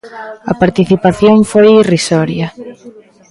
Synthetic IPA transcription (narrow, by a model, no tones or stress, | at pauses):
ɐpaɾt̪iθipaθjoŋfojirisɔɾjɐ